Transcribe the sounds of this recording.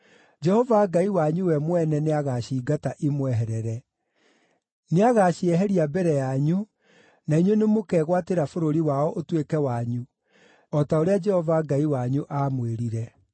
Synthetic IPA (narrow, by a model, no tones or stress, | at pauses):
d͡ʒɛhɔvaɡaiwaɲuwɛmwɛnɛneaɣaɕiːɡataʔimwɛɦɛɾɛɾɛ | neaɣaɕiɛɦɛɾiabɛɾɛjaɲu | naiɲwenemokɛːɣwateɾafoɾoɾiwaɔʔotwekɛwaɲu | ɔtaoɾead͡ʒɛhɔvaɡaiwaɲuʔaːmweɾiɾɛ